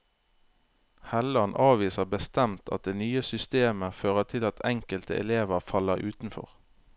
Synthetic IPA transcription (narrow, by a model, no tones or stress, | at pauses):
hɛləɑnʔɑːʋiːsəbəst̪ɛmt̪ʰɑ̰t̪̚d̪eːnyːəsʏst̪eːməføːʁət̪ʰɪlɑt̪ʰɛŋkəlt̪əɛ̰leːʋəʁfɑləʁʉːt̪n̩fɔ̰ʁ